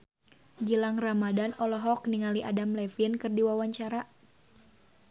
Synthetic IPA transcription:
ɡilaŋramadanɔlɔɦɔkniŋaliʔadamlɛfinkɨrdiwawaɲt͡ʃaɾa

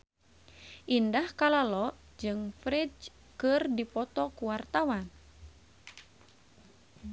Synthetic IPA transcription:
ʔindahkalalɔ | d͡ʒɨŋfɾid͡ʒ | kɨrdipɔt̪ɔkuwart̪awan

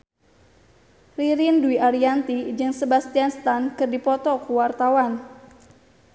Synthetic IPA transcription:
riɾinduiʔaɾiant̪id͡ʒɨŋsəbast̪ianst̪ankɨrdipɔt̪ɔkuwart̪awan

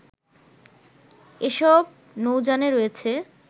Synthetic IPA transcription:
eʃɔb̚ | nowd͡ʑaneɾojet͡ɕʰe

